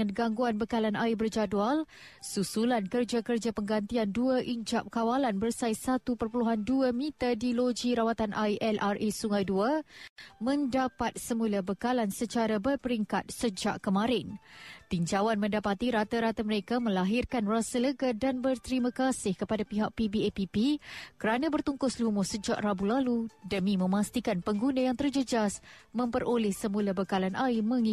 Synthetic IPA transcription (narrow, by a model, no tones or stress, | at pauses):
anɡaŋɡuanbəkalanaibərd͡ʒadual | susulankərd͡ʒakərd͡ʒapəŋɡant̪ianduaʔiɲd͡ʒap̚kawalanbərsajsat̪upərpuluɦanduəmĩt̪adilod͡ʒiɾawat̪anʔajʔɛlarʔesuŋãjdua | mə̃ndapat̪̚səmulabəkalansət͡ʃaɾabərpəɾiŋkat̪̚səd͡ʒaʔkəmãɾɪnt̪iɲd͡ʒawanmə̃ndapat̪iɾat̪aɾat̪aməɾekamə̃laɦɪrkanrasələɡadanbərt̪əɾimãkasɪhkəpadapiɦaʔ̚pibiepipikəɾanabərt̪uŋkʊslumʊsəd͡ʒa̰ʔrabulaludəmĩmə̃mast̪ikanpəŋɡunajaŋt̪ərd͡ʒəd͡ʒasmə̃mpəɾolɪhsəmulabəkalanʔaimə̃ŋi